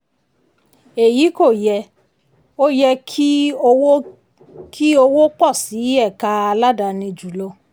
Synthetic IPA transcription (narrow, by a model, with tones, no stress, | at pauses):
e˨ji˨˦ko˦˨jɛ˧ | o˦jɛ˧ki˦o˧w | kʰi˦o˧wo˦k͡pɔ˦˨si˨˦ɛ˦˨ka˧a˧la˦da˧nĩ˧d͡ʒu˨lo˧˦